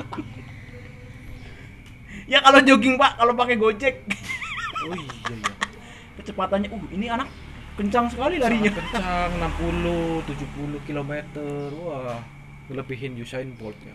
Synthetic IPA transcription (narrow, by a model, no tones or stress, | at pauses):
jakalod͡ʒoɡɪŋpaʔkalopakɛɡot͡ʃɛk̚ | oiaja̰ | pət͡ʃəpat̪anɲaʔuhinianakː | əɲt͡ʃaŋsəkalilaɾiɲakəɲt͡ʃaŋnampulut̪ud͡ʒuhpuluhkilomet̪əruah | ŋələbiɦɪnd͡ʒusainbɔ̰lt̪̚ɲa̰